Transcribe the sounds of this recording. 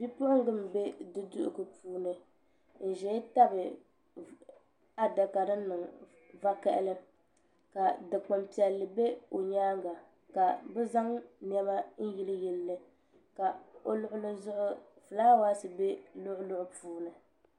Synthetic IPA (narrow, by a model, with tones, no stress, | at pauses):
bi˦pʊ˦ʔʊ˦ŋ˦ɡɨ˦m˨be˦dɨ˦dʊ̰˦ʔʊ̰˨ɡɨ˨puː˦nɨ˨ | n̩˨ʒɛ˦ta˦bɨ˨ | a˦da˨ka˨ɾɨ˦nɨ˨ŋ | va˦ka˦ʔɪ̰˦lɨ˦ | ka˨dɨ˨k͡po˨mpi˨ɛ˨lːɨ˨be˦o˨ɲaː˦ŋɡa˨ | ka˨bɨ˦za˦ŋn˦ɛ˦ba˦n̩˦ji˦lɨ˦ji˦lːɨ˦ | ka˨o̰˦lʊ˦ʔʊ˦lɨ˦zʊ˦ʔʊ˦fɨ˨laː˦wa˦sɨ˨be˦lʊ˦ʔʊ˦lʊ˦ʔʊ˦puː˦nɨ˨